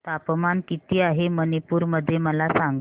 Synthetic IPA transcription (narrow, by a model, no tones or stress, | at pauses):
t̪apmankit̪iːaɦemənepuːɾməd̪ʱːjeməlasaŋɡ